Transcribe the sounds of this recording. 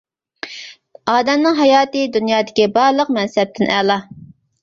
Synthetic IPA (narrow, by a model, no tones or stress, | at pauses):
ɑːd̪ɛmnɨŋɦɑjɑːt̪ɨd̪unjɑːd̪ɪkʲibɑɾlˠəqmɛnsɛp̚t̪ʰɪnʔælˠɑ